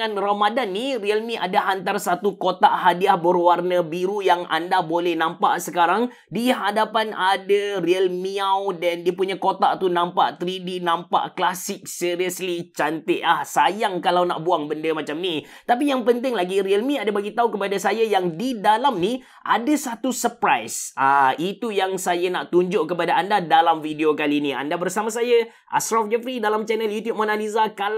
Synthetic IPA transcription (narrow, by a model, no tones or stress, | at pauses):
anromadanːiriəlmĩʔadaɦant̪arsat̪ukot̪aʔhadiahbərwarnə̃biɾujaŋa̰ndabolɛhnãmpa̰ʔsəkaɾaŋ | diɦadapanadariəlmiawdandiapuɲakot̪a̰ʔt̪unãmpa̰ʔt̪əɾidinãmpa̰ʔklasɪk̚siɾiəslit͡ʃant̪əʔahsajaŋkalawna̰ʔbuaŋbəndəmat͡ʃamnit̪ap̬ijaŋpənt̪ɪŋlaɡiɾiəlmĩadabaɡit̪aukəpadasajajaŋdidalamnĩ | ʔadasat̪usəpɾajsait̪ujaŋsajanaʔt̪uɲd͡ʒʊʔkəpadaandadalamfidiokalinĩa̰ndabərsamãs̬aja | ʔa̰sɾafd͡ʒɛfɾidalamt͡ʃɛnəljut̪jub̚mɔnalizaka